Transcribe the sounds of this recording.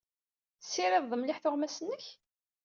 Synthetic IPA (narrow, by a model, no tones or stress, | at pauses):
θsːiɾɪðˤðˤəmlɪħθʊʁmæsənːəç